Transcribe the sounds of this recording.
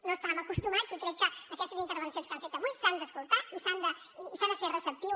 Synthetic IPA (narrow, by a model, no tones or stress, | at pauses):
noəst̪aməkust̪umazikɾɛkːəːkɛst̪əzint̪əɾβ̞ənsijõnst̪ãɱfet̪əβujsand̪əskulˠt̪aisand̪ə | isanaserəsəp̚t̪iw